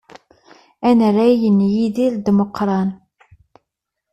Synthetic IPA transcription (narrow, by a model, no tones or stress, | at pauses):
ænræjənjiðild̪moqːɾˤɑn